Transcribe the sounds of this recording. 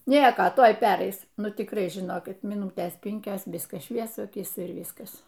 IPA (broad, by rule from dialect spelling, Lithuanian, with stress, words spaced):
ˈnʲiɛkoː ˈtoːj ˈpʲæːrɐɪs ˈnʊ tʲɪkˈrɐɪ ʒʲɪˈnoːkʲɪt mʲiːˈnuːtʲeːs ˈpʲɪŋʲkʲoːs ˈʋʲɪskɐs ˈʃʲʋʲiɛsʊ ɐˈkʲiːsʲɛ ɪr ˈʋʲiːskɐs